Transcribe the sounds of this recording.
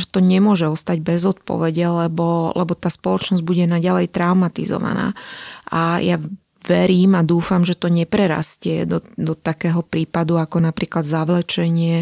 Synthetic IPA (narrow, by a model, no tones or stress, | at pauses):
ʒɛt̪ɔɲɛmʊɔʒɛɔst̪aɟbɛzɔt̪̚pɔ̰ʋɛɟɛlɛbɔlɛbɔt̪aːspɔlɔt͡ʃnɔzɟbuɟɛnaɟalɛjt̪ɾaʊmat̪ḭzɔ̰ʋa̰na̰ːʔaja | ʋɛɾiːmad̪uːfamʒɛt̪ɔɲɛpɾɛɾa̰scɪɛ̰d̪ɔd̪ɔt̪akɛːɦɔpɾiːpad̪uakɔnapɾiːklad̪zaʋlɛt͡ʃɛɲɪɛ